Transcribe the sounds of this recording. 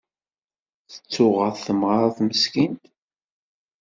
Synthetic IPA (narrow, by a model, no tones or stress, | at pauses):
θə̥t͡sːʊʁəðˤθəmʁaɾˤθməskint̪